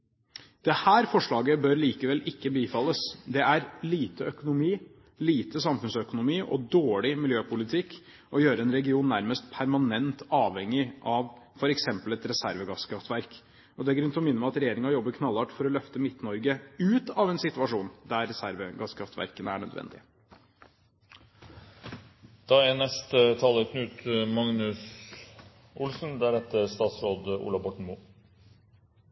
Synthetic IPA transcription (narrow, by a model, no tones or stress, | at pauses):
d̪̥ɛhæːɾfɔʂɭɑːɡəbœɾliːkəʋɛlʔɪkːəbiːfɑlːəsd̪ɛæɾliːt̪əœkʊnʊmiː | liːt̪əsɑmfʉnsœkʊnʊmiːʔɔ̰d̪oːɭɪmɪljøːpʊlɪt̪ʰɪkː | ʔɔjøːɾəɛnɾɛɡɪuːnːæɾməst̪̚pʰæɾmɑnɛnt̪ɑːʋɛŋːɪʔɑʋfɔɾɛksɛmpəlɛt̪ɾɛsæɾʋəɡɑskʰɾɑft̪ʋæɾk | ɔd̪ɛæɡɾʉnt̪ʰɔmɪnːəmɛɑt̪ɾɛjeːɾɪŋɑjɔbːəɾkʰnɑlːɑːʈfɔɾɔlœft̪əmɪt̪nɔɾɡəʉːt̪ɑʋɛnsɪt̪ʉʋɑʂuːnd̪æɾɾɛsæɾʋəɡɑskʰɾɑft̪ʋæ̰ɾkənəæ̰ɳœ̰d̪ʋɛ̰nd̪ɪ̰ə | d̪̥ɑænɛst̪ət̪ʰɑːləkʰnʉt̪mɑŋnʉs | ʔʊlsnd̪æɾɛt̪ːəɾst̪ɑːt̪sɾoːd̪ṵːlɑbɔʈɳ̩muː